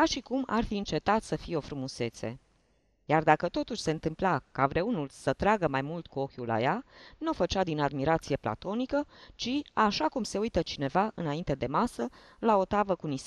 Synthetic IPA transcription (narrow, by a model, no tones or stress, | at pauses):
kaʃikuma̰rfiɨnt͡ʃe̞t̪at̪səfieo̞fɾumuse̞t̪sḛ | jard̪akət̪o̞t̪uʃʲse̞ɨnt̪ɨmplakavɾe̞unulsət̪ɾaɡəmajmult̪kuo̞kʲula̰janofət͡ʃad̪inad̪miɾat̪sije̞pla̰t̪o̞nikət͡ʃiaʃakumse̞ujt̪ət͡ʃine̞vaɨnaint̪e̞d̪e̞masə | lao̞t̪avəkunis